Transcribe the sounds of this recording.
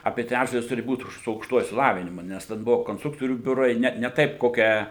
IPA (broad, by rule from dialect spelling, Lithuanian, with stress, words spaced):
ˈɑːpʲiɛ ˈtʲrʲæd͡ʒdɐlʲɪs ˈtʊrʲɪ ˈbuːt sʊ ɐʊkʃˈtuɔjʊ ɪʃʲsʲɪˈlˠɑːʋʲɪnʲɪmʊ ˈnʲɛs tʲɛn ˈbʊʋoː koːnstˈrʊktoːrʲuː ˈbʲʊrɐɪ ˈnʲɛ nʲɛ ˈtɐɪp ˈkoːkʲæː